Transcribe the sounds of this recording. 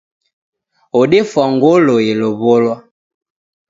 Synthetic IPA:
oɗefwaŋɡoloeloβɔlwa

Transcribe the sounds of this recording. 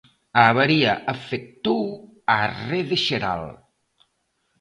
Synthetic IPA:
aβaɾiaʔəfek̚t̪uw | areðeʃeɾa̰l

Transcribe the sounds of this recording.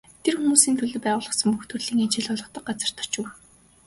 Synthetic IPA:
t̪ʰerxumuːsiːnt̪ʰɵɮɘ̆pæːʁʊːɮʁə̆χsə̆mpuxt̪ʰŭrɮiːŋint͡ɕɪ̆ɮɔɮɞ̆χt̪ə̆q̚ɢat͡sə̆r̥t̪ʰɔ̥̆r̥t͡ɕɘ̆w

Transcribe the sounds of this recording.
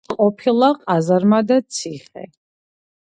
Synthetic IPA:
qʼɔpʰilˠaqʼazaɾmad̪at̪sʰiχɛ̰

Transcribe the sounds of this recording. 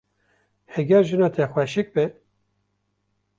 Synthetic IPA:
hɛɡʲɛɾʒɨnɑːt̪ʰɛxʷwɛʃɨk̚bɨ

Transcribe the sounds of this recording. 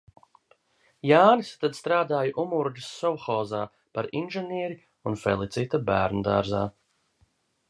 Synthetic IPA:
jaːnɨst̪ad̪st̪ɾaːd̪aːjʔumuɾɡəsːɔwxɔːzaː | paɾinʒɛnʲiɛɾi | unfɛlˠit̪sit̪abæːɾnud̪a̰ːɾza̰ː

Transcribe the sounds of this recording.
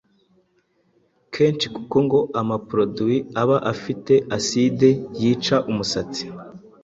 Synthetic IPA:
kʰe̞ːnt͡ʃikuko̞ŋɡo̞ʔamapɾo̞duwiaβaʔafite̞ʔaside̞jiːt͡ʃaʔumusat͡si̥

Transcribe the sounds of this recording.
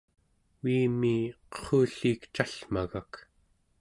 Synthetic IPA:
wiːmiːqə̥χuːɬiːkt͡ʃaɬmaɣak

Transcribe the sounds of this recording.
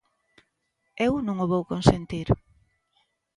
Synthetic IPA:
ewnũŋoβowkonsent̪iɾ

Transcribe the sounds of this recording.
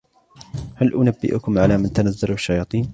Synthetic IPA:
halʔʊnabːɪ̰ʔʊkʊmʕalaːmant̪anazːalʊʃːajɑːt̪ˤiːn

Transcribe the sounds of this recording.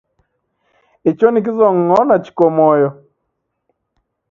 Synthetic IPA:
it͡ʃonik̬ɪzɔŋːɔnat͡ʃi̥komɔjɔ

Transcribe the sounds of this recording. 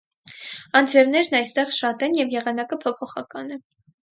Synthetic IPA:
ɑnd͡zɛvnɛɾnɑjst̪ɛʁʃɑt̪ɛnjɛvjɛʁɑnɑkəpʰɔpʰɔχɑkɑnɛ

